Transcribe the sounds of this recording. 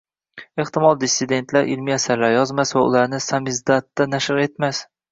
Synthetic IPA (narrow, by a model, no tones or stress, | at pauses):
eht̪ɪmɒlˠd̪ɪsːɪd̪e̞nt̪ʰlaɾʔɪlmiasaɾlaɾjɒzmasvaʊ̰laɾnɪsamɪzd̪at̪ːanaʃɪɾe̞t̪mas